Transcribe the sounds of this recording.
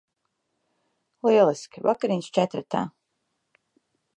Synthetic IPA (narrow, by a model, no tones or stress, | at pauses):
lˠiɛlˠiskʲivakaɾinʲst͡ʃɛt̪ɾat̪a̰ː